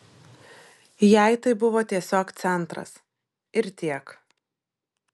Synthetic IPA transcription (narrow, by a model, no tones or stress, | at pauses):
jɛˑɪt̪ɐɪbʊʋoːt̪ʲiɛsʲoːkt̪sʲɛnˑt̪ɾɐ̰s | ɪɾt̪ʲiɛk